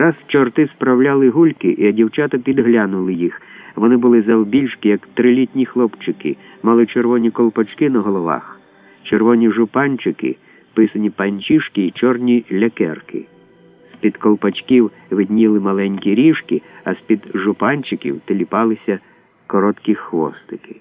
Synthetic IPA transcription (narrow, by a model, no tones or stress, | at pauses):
ɾɑst͡ʃɔrt̪ɪspɾɐwlʲalˠɪɦulʲkɪʔiɐdʲiwt͡ʃat̪ɐpʲid̪ɦlʲanʊlˠɪjixʋɔnɪbʊlˠɪzɐwbʲilʲʃkijɐkt̪ɾɪlʲitʲnʲixlˠɔpt͡ʃɪkɪ̰ | mɑlˠɪt͡ʃerʋɔnʲikɔlˠpɐt͡ʃkɪnɐɦɔlˠɔʋɑ̰x | t͡ʃerʋɔnʲiʒʊpɑnʲt͡ʃɪkɪ̰ | pɪsɐnʲipɐnʲt͡ʃʲiʃkiːt͡ʃɔrnʲilʲɐkɛrkɪ̰ | spʲid̪kɔlˠpɐt͡ʃkʲiw | ʋɪd̪ʲnʲilˠɪmɐlˠɛnʲkʲiɾʲiʃkɪɐsʲpʲid̪ʒʊpɑnʲt͡ʃɪkʲḭwt̪elʲipɑlˠɪsʲɐ | kɔɾɔt̪kʲixʋɔ̰st̪ɪkɪ̥